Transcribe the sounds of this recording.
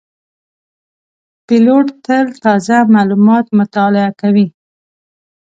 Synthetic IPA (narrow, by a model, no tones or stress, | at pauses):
pɪloʈt̪əlt̪ɑzamalumɑt̪mʊt̪ɑlɪakawi